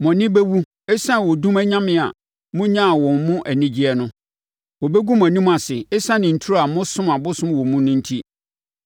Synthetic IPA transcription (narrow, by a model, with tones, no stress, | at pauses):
mɔ̃˨nɪ̃˦be˦wu˦ | ɛ˦sã˦wɔ˨dũ˦mæ˦ɲã˦mɪ̃˨a̰˨ | mʊ̃˦ɲã˦˨wɔ̃˨m˨mʊ̃˦ʔæ˨nĩ˦d͡ʑi˦ɛ˦nʊ̃˦ | wɔ˨be˦ɡu˦m˨ã˨nĩ˦m̃˦a˨sɪ˨ɛ˦sã˦nɪ̃˨n̩˨tʰu˦a˨mʊ̃˦sʊ̃˦ma˨bʊ˦sʊ̃˦m˨wɔ˨mũ˦nʊ̃˦n̩˦tʰi˦